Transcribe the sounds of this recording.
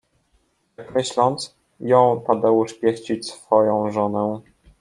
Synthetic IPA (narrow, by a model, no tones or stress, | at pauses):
akɾɛɕlɔnt̪s | jɔ̃w̃p̪ad̪awuʂpʲjɛɕt͡ɕit͡ɕsfɔjɔ̃w̃ʐɔnɛ